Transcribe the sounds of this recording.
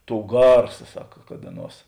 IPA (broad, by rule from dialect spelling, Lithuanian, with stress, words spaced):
ˈtoːʊ ˈɡɐrsɐ ˈsɑːkɐ kɐt ˈɑːˌnuɔs